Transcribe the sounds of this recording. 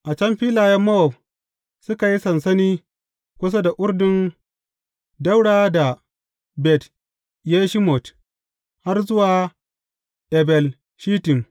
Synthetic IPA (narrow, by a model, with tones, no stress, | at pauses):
ʔa˨t͡ʃɐ˦mɸiː˦laː˨jɐ˦mːo˦ɔ˨p̚ | sʊ˦ka˨ji˦sɐ˨nsɐ˦niː˦ | kʷʊ˦s̬a˦da˨ʔʷʊ˦ɾdɪ˦n | da˦wɽaː˦da˨ | bɛ˨t | jeː˦ʃi˦mɔ˨t | ha˦rzʊ˦waː˨ | ʔɛ˨bɛ˨l | ʃiː˦tɪ˨m